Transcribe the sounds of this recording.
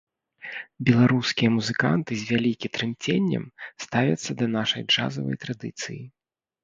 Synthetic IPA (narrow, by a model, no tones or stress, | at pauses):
bʲɛlˠaɾuskʲijɐmuzɨka̰nt̪ɨzʲvʲalʲikʲit̪ɾɨmt͡sʲenʲːɐ̰mst̪avʲɐ̰t̪sːɐd̪ɐnaʂɐjʐa̰zɐvɐ̰jt̪ɾad̪ɨt̪sɨji